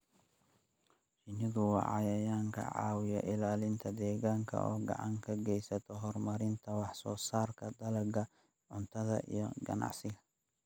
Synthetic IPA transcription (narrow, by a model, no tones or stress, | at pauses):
t͡ʃɪnɪɣʊwɑ̰ʕɑjɐjaːŋkʰɐ̰ʕɑ̰ːwɪjɔ̰ʔɪlaːlɪnt̪ʰɐd̪ɛːɣaːŋkʰɐ̰ʔɔ̰ːɡɐ̰ʕɑŋkʰɐɡɛjsɐt̪ʰɔɦɔrmɐɾɪnt̪ʰɐwɑħsɔːsaːrkʰɐd̪ɐlɐɡɐ | ʕʊnt̪ʰɐðɐ̰ʔḭjɔɡɐ̰nɑ̰ʕsɪɣɐ